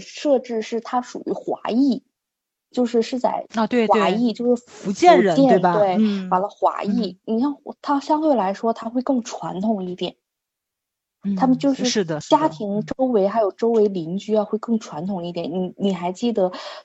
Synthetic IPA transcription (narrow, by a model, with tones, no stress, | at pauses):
ʂɤ˥˧ʈ͡ʂɻ̩˥˧ʂɻ̩˥˩t̪ʰa˥ʂṵ˨˩y˧˥xwa̰˧˥i˥˩ | t͡ɕjo˥˧ʊʂɻ̩˥˧ʂɻ̩˥˧t͡sa̰˥˩ɪ˧t̪we˥˧wa˧˥i˥˧t͡ɕjo˥˧ʊʂɻ̩˥˩fu˧˥t͡ɕjɛ˥˩˥t͡ɕjɛ˥˧˥nwe˥˩ɪma˨˩lə˧˦xwa̰˧˥i˥˩ni˨˩ʂɑ˥˩ŋt̪ʰa˥ɕjɑ˥ŋt̪we˥˩ɪla˧˥ɪʂwɔ˥t̪ʰa˥xwe˥˧ɪkɤ˥˩ŋʈ͡ʂʰwa̰˧˥nt̪ʰʊ˨˩ŋi˥˩t̪jɛ̰˨˩˦n | t̪ʰa˥mə˨nt͡ɕjo˥˧ʊʂɻ̩˥˩ʂɻ̩˥˩d̪ə˩t͡ɕja˥t̪ʰi˧˥ŋʈ͡ʂo˥ʊwe˧˥ɪxa˧˥ɪjo˨˩ʊʈ͡ʂo˥ʊwe˧˥ɪli˧˥ŋt͡ɕy˥˧xwe˥˧ɪkɤ˥˩ŋʈ͡ʂʰwa˧˥nt̪ʰʊ˨˩ŋi˥˩t̪jɛ˨˧˩nni˨˧˩ni˨˩xa˧˥ɪt͡ɕi˥˩d̪ə˩